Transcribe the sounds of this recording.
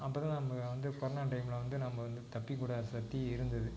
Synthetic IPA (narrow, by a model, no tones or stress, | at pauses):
ɐpːoːðãːnɐmːɐʋɐnd̪ɯkɔɾɐnaːʈɐɪmɪlɐʋɐnd̪ɯnɐmːɐʋɐnd̪ɯt̪ɐpːikuːɽɐsɐt̪ːiɪɾɯnd̪ɐðɯ